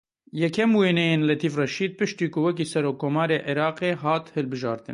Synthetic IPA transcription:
jɛkʰɛmweːnɛjeːnlɛt̪ʰiːfrɛʃiːd̪̚pɨʃt̪iːkʰʊwɛk̬iːsɛɾoːkʰːoːmɑːɾeːʔiɾɑːqeːɦɑːt̪hɨlbɨʒɑ̰ːɾt̪ɨ̰n

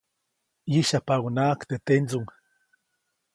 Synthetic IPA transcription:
jiʃapawnaːkt̪et̪ent͡suŋ

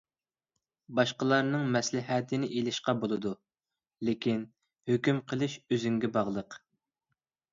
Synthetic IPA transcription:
bɑʃqəlˠɑɾnɨŋmɛslɪɦɛt̪ʰɪnɪʔelɪʃqɑbolˠɨd̪u | lekʲin | høkʲymqʰəlˠɨʃøzyŋɡʲɛbɑʁlˠəq

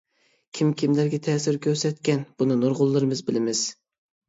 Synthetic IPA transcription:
kʲʰimkʲʰimlæɾɡʲɛt̪ʰɛːsɪɾkʲʰøɾsɛt̪kʲɛnb̥unɨnuɾʁʊlˠːɨɾɨmɨzbɪlɪmɪz̥

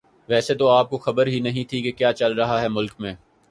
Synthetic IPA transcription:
ʋɛːset̪oaːp̚koxɐbəɾɦinɐɦĩt̪ʰikekjaːt͡ʃɐlɾɐɦaɦɛmʊlkmẽː

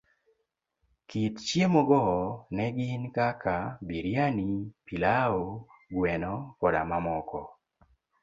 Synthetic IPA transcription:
kitt͡ʃjemɔɡɔnɛɡɪnkakʰabiɾjanipilaoɡwɛnɔkɔda̰mamɔkɔ

